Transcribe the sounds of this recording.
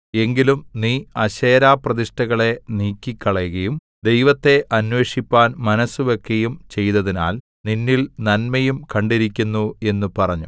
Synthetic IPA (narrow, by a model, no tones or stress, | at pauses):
e̞ŋɡilumniːɐɕeːɾaːprɐðiʂʈɐɣɐɭe̞niːkʲːikʲːɐɭɐjɣɐjum | d̪e̞jʋɐt̪ːe̞ʔɐnwe̞ːʂipːaːnmɐnɐsːuʋokːejumt͡ɕe̞jt̪ɐðina̰ːl | ninːilnɐnmɐjumkɐɳɖiɾikʲːunːue̞nːupɐrɐɲːu